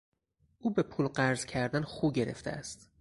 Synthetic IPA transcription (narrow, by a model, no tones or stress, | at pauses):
ʔuːbe̞pʰuːlɢæɾzcʰæɾd̪ænχuːɟeɾḛft̪ʰḛæ̰st̪